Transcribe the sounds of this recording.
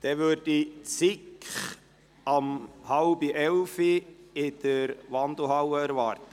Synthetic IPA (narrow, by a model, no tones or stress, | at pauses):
d̥ɛʋøɾd̥it͡sɪkχ | ɑmhɑlbiʔɛlfiɪd̪̥əɾʋɑnd̪l̩ɦɑwəæɾvɑːrt̪ə